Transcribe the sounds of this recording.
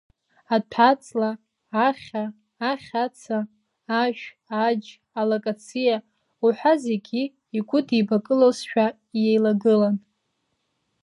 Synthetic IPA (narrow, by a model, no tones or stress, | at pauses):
atʰat͡sʼlaː | χʲaː | χʲat͡sʰaː | ʒᶣ | ad͡ʒ | alokʼat͡sʰija | uħʷᶣaze̞ɡʲiː | ɡʷʰʼʊdʰibakʼɨlosʃᶣa | jejlaɡɨlan